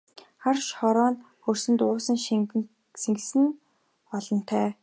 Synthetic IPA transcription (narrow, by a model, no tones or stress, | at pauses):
χarʃχɔɾɔːn | xɵrsɘ̆nt̪ʊːsə̆ŋʃ | siŋɡsɘ̆n | ɔɮɞ̆n̥t̪ʰæː